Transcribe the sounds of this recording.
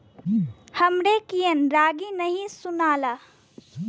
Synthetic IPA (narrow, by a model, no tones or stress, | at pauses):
hɐmɾekijənɾaːɡinɐɦĩsʊnaːlaː